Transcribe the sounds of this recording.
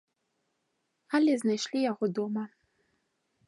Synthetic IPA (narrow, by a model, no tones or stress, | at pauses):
alʲeznajʃlʲijaɣod̪omɐ